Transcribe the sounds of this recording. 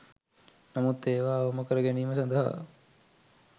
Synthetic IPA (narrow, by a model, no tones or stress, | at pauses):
nɐmut̪ːeːʋaːoməkəɾəɡɛniːməs̬ɐnd̪əɦa̰